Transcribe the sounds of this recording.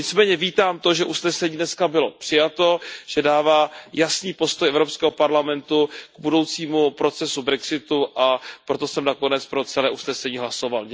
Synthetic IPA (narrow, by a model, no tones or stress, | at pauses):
ɲɪt͡smɛːɲɛviːt̪aːmt̪o̞ʒɛʔusnɛsɛɲiːdnɛskabɪlo̞pr̥ɪjat̪o̞ʒ̥ɛdaːvaːjasniːpo̞st̪ojɛvɾo̞pskɛːɦo̞paɾlamɛnt̪uɡ̥̚budo̞wt͡siːmupɾo̞t͡sɛsubɾɛkz̥ɪt̪uʔapɾo̞t̪o̞sɛmnako̞nɛt͡spɾo̞t͡sɛlɛːʔusnɛsɛɲiːɦlaso̞va̰lɲ